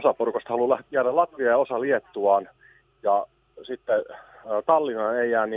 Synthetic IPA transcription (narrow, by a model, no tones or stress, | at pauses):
sɑporukost̪ɑhɑlulæhæɾælɑt̪ʋiɑosɑliet̪ːuɑːn | jɑ | sit̪ːeːt̪ɑlːinɑneijæːnːi